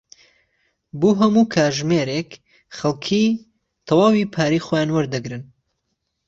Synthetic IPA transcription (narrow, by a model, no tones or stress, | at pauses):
boːɦɐmukʰaːɾʒmeːɾek | χɐlˠkʰi | t̪ʰɑwaːwipʰaːɾiːxoːjaːnwɐɾd̪ɐɡɾɨn